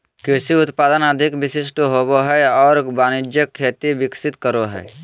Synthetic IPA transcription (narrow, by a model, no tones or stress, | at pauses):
kɪsiʊt̪paːd̪ənəd̪ʱɪkʋɪsɪsʈʰɦoːboɦɛɔːɾbaːnɪd͡ʒjəkʰːeːt̪ibɪksɪt̪kəɾoɦɛ̰ː